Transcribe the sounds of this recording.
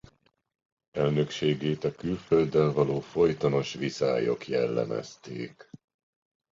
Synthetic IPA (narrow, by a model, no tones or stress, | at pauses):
ɛlnø̞kʃeːɡeːt̪ɒkylfø̞ld̪ɛlvɒloːfo̞jt̪ɒno̞ʃʋisa̰ːjo̞̰kjɛlːɛ̰mɛ̰st̪ḛːk